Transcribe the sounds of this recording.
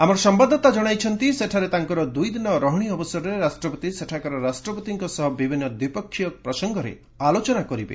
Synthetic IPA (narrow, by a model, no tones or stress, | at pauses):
amɔɾɔsɔmbad̪ʱːɔt̪ad͡ʒɔɽ̃ajt͡ʃʰɔnt̪iseʈʰaɾet̪aŋkɔɾɔd̪ujd̪inɔɾɔɦɔɽ̃iɔbɔsɔɾɾeɾasʈɾɔpɔt̪iseʈʰakɔɾɔɾasʈɾɔpɔt̪iŋkɔsɔɦɔbibʱinːɔd̪wipɔkʰːjɔpɾɔsɔŋɡɔɾḛ | alot͡ʃɔnakɔɾibḛ